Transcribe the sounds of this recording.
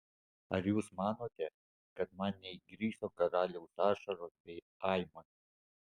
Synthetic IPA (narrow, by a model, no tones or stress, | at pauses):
ɐɾjuːsmɑːnoːt̪ʲɛ | kɐt̪mɑnnʲɛɪɡɾʲiːsoːkɐɾɑːlʲɛʊsɑːʃɐɾoːsbʲɛɪ | ɑɪmɐ